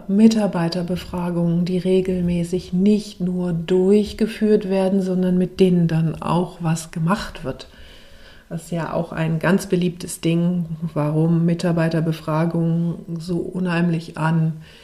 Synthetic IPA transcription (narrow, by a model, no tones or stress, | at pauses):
mɪtaɐbaɪtɐbəfʁ̥aːɡʊŋəndiːʁeːɡl̩mɛːsɪçnɪçtnuːɐdʊɐɐçɡ̥əfyːɐtv̥eːɐdn̩zɔndɐnmɪt̚d̥eːnəndana̰ʊxv̥asɡ̥əmaχtv̥ɪɐt | d̥assjaːʔa̰ʊxa̰ɪnɡant͡sb̥əliːp̚tʰəsd̥ɪŋvaʁʊmːɪtaɐbaɪtɐbəfʁ̥aːɡʊŋənzoːʔʊnhaɪmlɪçʔan